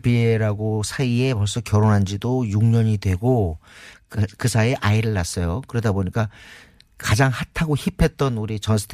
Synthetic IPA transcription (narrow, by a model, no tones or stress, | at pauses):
bieɾaɡosʰaie̞pʌɭs͈ʌkjʌɾonɦand͡ʑidojuŋɲʌɲidwe̞ɡo | kkɯsʰae̞ʔaiɾɯɭːas͈ʌjokɯɾʌdaboɲik͈a | kad͡ʑaŋhatʰaɡoçipʰe̞t̚t͈ʌnuɾit͡ɕʌnsʰɯ̥tʰ